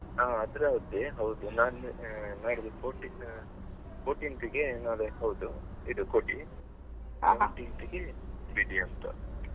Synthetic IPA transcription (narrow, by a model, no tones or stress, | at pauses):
aːɐd̪ɾeɦɐd̪ːeɦɐwd̪unaːlnaːlid̪upoːʈi | poːʈinʈ̪iɡenaːleɦɐwd̪u | id̪ukoʈi | a̰ːʈinʈ̪iɡebiɖiɐnt̪ɐ̰